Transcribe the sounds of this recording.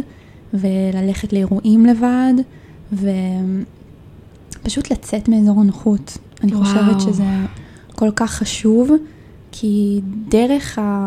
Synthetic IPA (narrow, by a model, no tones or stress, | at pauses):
velale̞χetleeʁuʔimle̞vad | ve̞ | paʃutlat͡setmeːzo̞ʁanaχut | aniχo̞ʃevetʃeze | ko̞lkaχːaʃuv | kʰideʁe̞χa